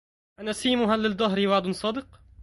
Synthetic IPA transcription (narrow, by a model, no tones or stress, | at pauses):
ʔanasiːmʊɦalːɪd̪ˤːɑɦɾɪwaʕd̪ʊnsˤɑːd̪ɨq